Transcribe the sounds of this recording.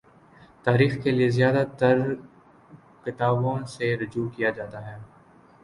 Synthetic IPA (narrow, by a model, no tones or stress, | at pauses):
t̪aːɾiːxkeliezjaːd̪at̪ɐɾ | kɪt̪aːbõseɾʊd͡ʒuːkijad͡ʒaːt̪aɦɛː